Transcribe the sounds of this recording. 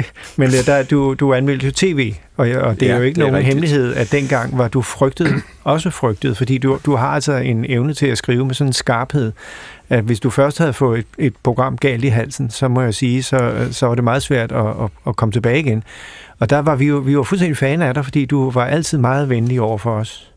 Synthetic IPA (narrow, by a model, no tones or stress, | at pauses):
mend̥æd̥ud̥uænmel̰d̥jo̝t͡sʰe̝̰ːʋe̝̰ː | ɒ̽ɒd̥eæjo̝e̝ɡ̥əno̝ːn̩ɦemliɦe̝ð̞̰ˠæd̥enɡ̥ɑ̈ŋ̰ʋɑ̈d̥ufʁœɡ̥d̥ð̩ˠ | ɒ̽s̬əfʁœɡ̥̚d̥əð̩ˠfɒ̽d̥ḭːdud̥uɦɑ̈ælsɒe̝neʊnət͡sʰe̝læsɡ̥ʁiːʊəmesɒ̽nensɡ̥ɑ̈ːb̥he̝ð̞̰ˠæʋe̝sd̥ufɶɐsd̥hæð̞̩ˠfɔ̽ːðˠe̥e̝d̥pʰʁo̝ɡ̥ʁɑ̈m̰ɡ̥ɛ̰ːld̥iɦæl̰sn̩sɒ̽mɒ̽jasiːsɒ̽sɒ̽ʋɑ̈de̝mɑ̈ːð̞̩ˠsʋæɐ̰d̥ɒːkʰɒ̽mət͡sʰe̝b̥ɛːɪiɡ̥enɒ̽d̥ɑ̈ʋɑ̈ʋijo̝ʋiʋɑ̈fulsdend̥ifɛːnæɾ̥ɑ̈fɒ̽d̥ḭːd̥uʋɑ̈ʔæl̰t͡sʰið̞̰ˠmɑ̈ːð̞̩ˠʋenliɒʊ̰ɐfɒ̽ɒs